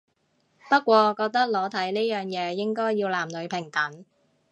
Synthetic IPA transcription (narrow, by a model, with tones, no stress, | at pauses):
pɐ˥t̚kʷɔː˧kɔː˧k̚t̪ɐ˥k̚lɔː˨˧˥t̪ʰɐ˨˥jni˥jœː˨˩ŋjɛː˨˧jɪ˥ŋkɔː˥jjiː˧wlaː˨˩mlɵ˨˧ɥpʰɪ˨˩ŋt̪ɐ˨˥ŋ